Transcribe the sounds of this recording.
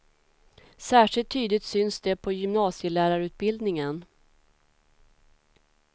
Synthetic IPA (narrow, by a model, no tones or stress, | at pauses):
sæːʂɪlt̪ʰːyːd̪ɪɡt̪sʏnsd̪ɛpʰɔjʏmnɑːsjəlæːɾaɾʉ̟ːt̪̚bɪld̪nɪŋən